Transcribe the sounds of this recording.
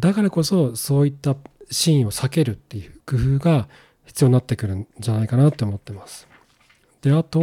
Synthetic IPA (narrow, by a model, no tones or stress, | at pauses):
d̪akaɾako̞so̞so̞ːit̪ːaɕĩːo̞sake̞ɾɯ̟t̪ːe̞jɯ̟kɯ̟ɸɯ̟ːɡa | çi̥t͡sɨjo̞ɲninat̪ːe̞kɯ̟ɾɯ̟̃d͡ʑanaikanat̪ːe̞ːmo̞t̪ːe̞masɨ̥ | d̪̥e̞at̪o̞